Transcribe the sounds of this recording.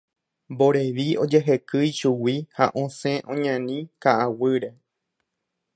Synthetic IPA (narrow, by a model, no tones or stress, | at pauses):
mbo̞ɾe̞ʋio̞d͡ʒe̞ɦe̞kɨjʃuwiha̰ʔõsẽʔõɲãnĩkaʔawɨɾe̞